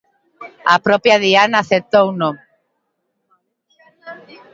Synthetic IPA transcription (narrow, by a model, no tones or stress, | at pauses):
apɾɔpjaðianaːθet̪owno